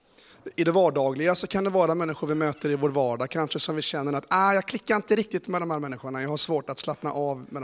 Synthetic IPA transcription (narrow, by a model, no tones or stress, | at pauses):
ɪd̪ɛvɑːɖɑːɡlɪɡasɔkʰand̪ɛvɑːɾamɛnːɪɧʊɾvɪmøːt̪ʰəɾɪvoːɾvɑːɖɑːɡkʰanʂəsɔmvɪɕɛnːəɾat̪aːjɑːɡ̚kʰlɪkːaɾɪnt̪əɾɪk̚t̪ɪt̪mɛd̪ɔmhæːɾmɛnːɪɧʊɳajɑːɡhaʂvoːʈat̪slapna̰ʔɑːvmɛd̪